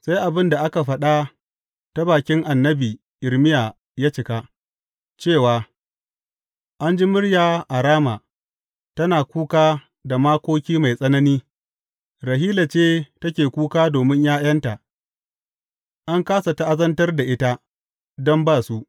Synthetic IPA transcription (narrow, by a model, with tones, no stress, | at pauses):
sa˦jʔa˨bɪ˦nda˨ʔa˦ka˨ɸɐ˦ɗa˦ | ta˦baː˨kʲɪ˦ŋʔa˨nːɐ˦biː˨ | ʔɪ˨ɾmɪ˦jaː˨ | jaː˦t͡ʃɪ˨ka˦ | t͡ʃeː˦˨waː˨ | ʔa˦nd͡ʒi˦mʊ˦ɽjaː˨ʔa˨ɾaː˦maː˨ | tɐ˦naː˨kʷuː˦kaː˦ | da˨maː˦kʷoː˦kʲiː˦ma˨jsʼɐ˦nɐ˦niː˦ | ɾɐ˨ɦiː˦la˨t͡ʃeː˦tɐ˦kʲeː˨kʷuː˦kaː˦doː˨mɪ˦ɲjaː˦jɐ˦nta˨ʔ | ʔa˦ŋkaː˦sa˨ta˦ʔa˦zɐ˦ntɐ˦rda˨ʔɪ˦ta˦ | dɔ˦mbaː˦˨su˦ʔ